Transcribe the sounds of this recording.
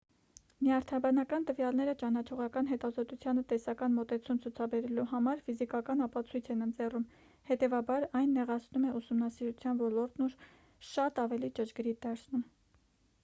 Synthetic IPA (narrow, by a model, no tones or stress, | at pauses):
miɑɾt̪ʰɑbɑnɑkɑnt̪əvjɑlnɛɾət͡ʃɑnɑt͡ʃʰɔʁɑkɑn̪ɦɛt̪ɑzɔt̪ut͡sʰjɑnət̪ɛsɑkɑnmɔt̪ɛt͡sʰumt͡sʰut͡sʰɑbɛɾɛluɦɑmɑɾfizikɑkɑnɑpɑt͡sʰujt͡sʰɛnənt͡sɛrum | hɛt̪ɛvɑbɑɾɑjnːɛʁɑt͡sʰnumɛʔusumnɑsiɾut͡sʰjɑnvɔlɔɾt̪nuɾ | ʃɑt̪ɑvɛlit͡ʃət͡ʃɡɾid̪ɑɾt͡sʰnum